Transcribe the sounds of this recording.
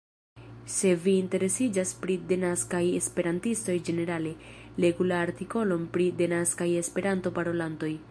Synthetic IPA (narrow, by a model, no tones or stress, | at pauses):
se̞viːnte̞ɾe̞sid͡ʒaspɾide̞naskaje̞spe̞ɾantisto̞jd͡ʒe̞ne̞ɾale̞ | le̞ɡulaːɾtiko̞lo̞npɾide̞naskaje̞spe̞ɾanto̞paɾo̞lanto̞j